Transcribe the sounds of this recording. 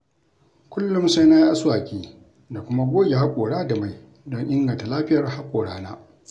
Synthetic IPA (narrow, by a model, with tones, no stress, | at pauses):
kʷʊ˦lːʊ˦msa˦jnaː˦jʔa˦swaː˨kʲʼiː˦ | da˨kʷʊ˦ma˦ɡʷoː˦jʲa˨ha˦kʷʼoː˨ɽaː˦da˨ma˨j | dɔ˦ŋʔɪ˦ŋɡɐ˨nta˨laː˦ɸɪ˦jɐ˨rha˦kʷʼoː˨ɽaː˦na̰ː˦